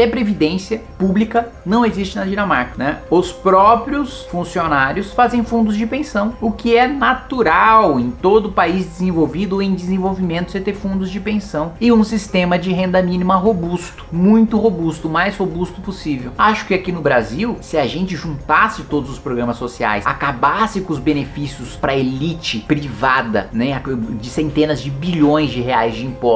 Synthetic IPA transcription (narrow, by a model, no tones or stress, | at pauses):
ɛpɾevid̪ẽsiɐ | publikɐ | nɐ̃w̃ezist͡ʃɪnɐd͡ʒinɐmaɾkɐnɛʊspɾɔpɾjʊs | fũsionaɾjʊsfazẽj̃fũnd̪ʊzd͡ʒɪpẽsɐ̃w̃ʊkɪɛnat̪uɾawẽj̃t̪od̪ʊpaizd̪ɪzẽvowvid̪ʊẽj̃d͡ʒ̪ɪzẽvowvimẽnt̪ʊ̥set̪efũnd̪ʊzd͡ʒɪpẽsɐ̃w̃ɪũsist̪ẽmɐd͡ʒɪɦẽnd̪ɐmĩnimɐɦobust̪ʊ̥mũj̃t̪ʊhobust̪ʊmajshobust̪ʊposivewaʃʊ̥kɪakinʊbɾaziwsɪɐʒẽnt͡ʃɪʒũnt̪asɪt̪od̪ʊzʊspɾoɡɾɐ̃mɐsːosia̰jsa̰kabasɪkõʊzbenefisiʊspɾɐelit͡ʃɪpɾivad̪ɐ̰nɛad͡ʒɪsẽnt̪ẽnɐzd͡ʒɪbiʎõj̃zd͡ʒɪɦeajzd͡ʒɪĩmpɔs